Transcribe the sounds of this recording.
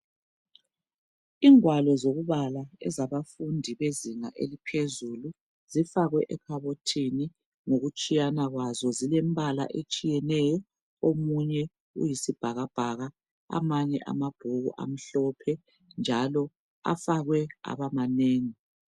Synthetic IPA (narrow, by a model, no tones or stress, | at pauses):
iːŋwalɔzoɣuβalaɛ̰zaβafundʱiβeziŋa̰ʔḛlipʰezulu | zifaɣwɛʔɛkʰaβotʰini | ŋoɣut͡ʃʼijanaɣwazɔzilemβala̰ʔet͡ʃʼijɛnɛjɔ | omuɲɛ | ṵjisib̥ʱaɣab̥ʱaɣa | a̰maɲɛ̰ʔa̰mab̥ʱuɣṵʔa̰m̩ɬɔpʰɛ | nd͡ʒʱalɔ | a̰faɣwɛa̰βamaneːŋi